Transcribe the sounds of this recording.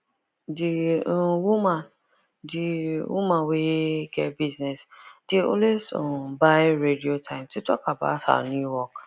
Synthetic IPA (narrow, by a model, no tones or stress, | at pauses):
diwumãn | diwumãweɡɛbiznɛsd̥eɔ̰̃lesɔ̃baɪɹediotʰãɪ̃mtutɔkaba̰ʊtha̰njuwɔk